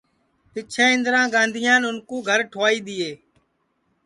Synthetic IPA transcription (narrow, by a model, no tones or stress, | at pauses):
pɪt͡ʃʰẽːɪ̃nd̪ɾãːɡãːnd̪ʱijãːnʊnkũːɡʱəɾʈʰoaːiːɗ̪iːeː